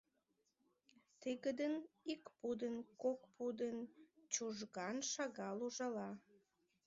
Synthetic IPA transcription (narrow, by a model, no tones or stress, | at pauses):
t̪iɣəd̪ənikpud̪ənkok̚pud̪ənt͡ɕuʒɣɑnʃɑɣɑluʒɑlɑ